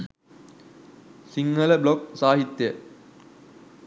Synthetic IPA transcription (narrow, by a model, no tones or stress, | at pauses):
siŋːələblok̚saːɦit̪ːjə